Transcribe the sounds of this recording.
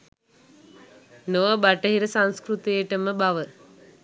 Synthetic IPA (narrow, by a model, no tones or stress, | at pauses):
noʋəbaʈəɦiɾəsãŋskrut̪ejəʈəməbaʋə